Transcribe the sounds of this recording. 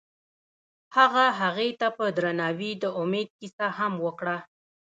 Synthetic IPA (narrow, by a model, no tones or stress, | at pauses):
haɣaɦaɣet̪apəd̪ɾanɑwid̪əʊmed̪̚kisahamwəkɽa